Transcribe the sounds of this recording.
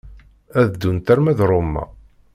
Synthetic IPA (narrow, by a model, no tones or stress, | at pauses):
æðd̪ːunt̪æɾmæðɾˤomːæ̰